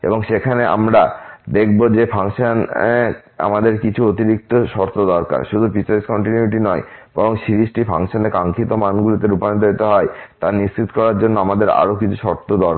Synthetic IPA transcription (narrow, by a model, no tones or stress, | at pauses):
ḛboŋʃekʰaneʔa̰mɾad̪ekʰbod͡ʑepʰaŋʃane | a̰mad̪eɾkit͡ɕʰuot̪iɾik̚t̪oʃɔɾt̪ʰod̪ɔɾka̰ɾʃud̪ʱupit͡ɕaɾiskɔɳʈinuiʈ̬inɔeb̥ɔɾoŋʃiɾiʃʈifʰa̰ŋʃonekaŋkʰit̪omanɡulit̪eɾupanid̪oit̪eɦɔet̪anist͡ɕit̪kɔɾaɾd͡ʑonːoamad̪eɾa̰ɾokit͡ɕʰu̥ʃɔɾt̪ʰod̪ɔɾ